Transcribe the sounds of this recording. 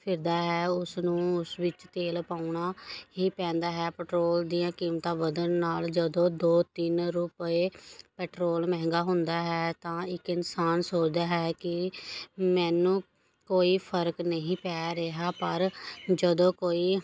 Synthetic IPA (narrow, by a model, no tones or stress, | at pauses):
pʰɪɾd̪aːɦɛːʊsnũːʊsʋɪt͡ʃt̪eːlpaːʊɳaːɦiːpɛ̃ːnd̪aːɦɛːpɛːʈɾoːld̪ijãːkiːmt̪ãːʋəd̪ənːaːld͡ʒəd̪õːd̪oːt̪ɪnɾʊpeːpɛːʈɾoːlmɛ̃ɦŋɡaːɦʊnd̪aːɦɛːt̪ãːɪkɪnsaːnsoːt͡ʃd̪aːɦɛːkɪ | mɛ̃ːnũː | koːiːpʰəɾknəɦĩːpɛːɾeɦaːpəɾd͡ʒəd̪õːkoːiː